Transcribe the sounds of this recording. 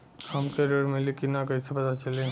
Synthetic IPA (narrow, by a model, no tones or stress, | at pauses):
hɐmkeɾeɽmẽlikɪnakɐisepɐt̪at͡ʃɐlẽ